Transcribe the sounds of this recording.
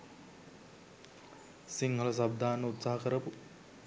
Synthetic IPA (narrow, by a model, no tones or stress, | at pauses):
siŋɦəlɐsab̚d̪ʱaːnːəut̪saɦɐkəɾəpu